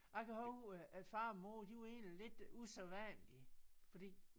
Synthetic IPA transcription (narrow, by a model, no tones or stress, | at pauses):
ɑ̈ɪkʰæhoʔæ̥fɑ̈ːmo̰ːd̥iʋe̝̰ːnlile̝d̥useʋænlifɒd̥ḭː